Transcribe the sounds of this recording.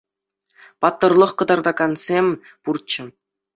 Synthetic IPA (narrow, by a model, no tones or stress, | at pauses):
pɑt̪ːɤ̆rlˠɤ̆χkɤ̆d̪ɑrd̪ɑɡɑnsʲemʲ | purt͡ɕɘ̆